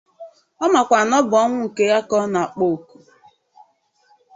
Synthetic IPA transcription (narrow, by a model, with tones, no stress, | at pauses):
ɔ˦ma˨kʷa˨nɔ˦bɔ˦ŋʷʊ˦ŋ̩˨ke˦ja˦kɔ˦na˨a˨k͡po˨ku̥˨